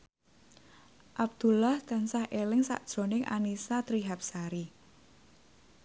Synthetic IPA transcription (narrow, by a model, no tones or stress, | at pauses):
ʔab̚d̪̥ṳlahd̪̥a̤nsahʔelɪŋsa̰ʔd̥ʒ̥o̤nɪŋʔa̰nisat̪ɾiɦap̚saɾi